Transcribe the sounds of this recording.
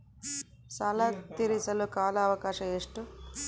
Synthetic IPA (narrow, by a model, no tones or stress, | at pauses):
saːlaːt̪iɾisɐlukaːlɐːʋɐkaːʃɐeːʂʈu